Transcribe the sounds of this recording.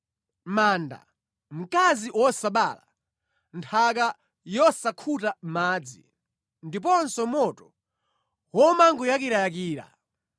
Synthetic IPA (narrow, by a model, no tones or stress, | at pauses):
manda̰ | m̩kaziʔwɔsaɓaːla | ntʰak̬a | jɔsakʰutam̩maːd͡zi | ndipɔnsɔmɔtɔ̥ | wɔmaŋɡujak̬iɾajakiːɾa̰